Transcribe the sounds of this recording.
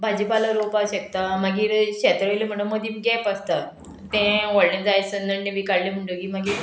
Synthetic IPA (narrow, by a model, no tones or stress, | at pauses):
bʱad͡ʑipaləɾopaɕek̚t̪amaɡiːɾɕɛt̪ɾəʋlem̤əɽ̃əmːəd̪imɡɛpəst̪a | t̪ɛ̃ʋɔɽnẽd͡zajsənd̪əɳɖẽbikaɽlem̤əɳʈəkiːm̤aɡiːɾ